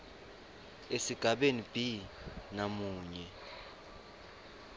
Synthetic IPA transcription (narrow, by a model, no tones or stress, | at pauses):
esiɡ̥ʱaɓenib̥ʱinamuːɲɛ